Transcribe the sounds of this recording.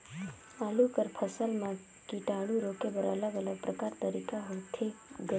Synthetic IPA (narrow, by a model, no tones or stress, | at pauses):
əlukəɾpʰəsəlmã | kiʈaːɽuɾoːkepəɾɐ̰ləɡələɡ̚pɾəkaːɾt̪əɾiːkaɦoːt̪ʰeɡə